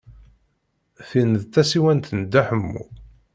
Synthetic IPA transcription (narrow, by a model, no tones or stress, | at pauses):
θinðθæsiwænt̪ənəd̪ːæħəmːṵ